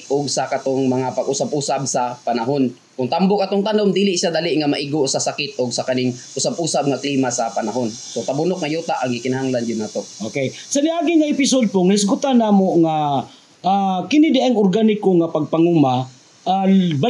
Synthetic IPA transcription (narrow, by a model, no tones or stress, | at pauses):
ʔoɡsakat̪oŋmɐŋapaɡʊsabuːsab̚sɐpanaɦon | kʊŋt̪ambʊkat̪oŋt̪anomd̪iːlɪʔʃad̪alɪʔŋamaʔiɡosɐsakɪt̪̚ʔoɡsakanɪŋʔʊsabʔuːsab̚ŋakliːmasɐpanaɦonsot̪abʊnok̚ŋajuːt̪aʔaŋɡɪkɪnaɦaŋland͡ʒʊnːaːt̪oʔokej | sɐnɪʔaːɡɪŋaʔɪpɪsod̪̚poŋlɪs̬ɡʊt̪anaːmoŋa | akɪnɪd̪aʔaŋʊɾɡanɪkoŋapɐɡ̚paŋuma | aba